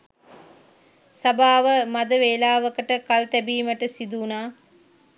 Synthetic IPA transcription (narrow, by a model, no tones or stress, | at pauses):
sabaːʋəmad̪əʋeːlaːʋəkəʈəkalt̪ɛbiːməʈəsid̪uːnaː